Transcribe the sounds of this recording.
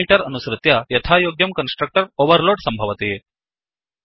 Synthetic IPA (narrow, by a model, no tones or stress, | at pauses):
iːʈəɾɐnusɾɨt̪jajɐt̪ʰajoːɡjɐmkɐnsʈɾɐk̚ʈəɾoʋəɾloːɖsɐmbʱɐʋɐt̪e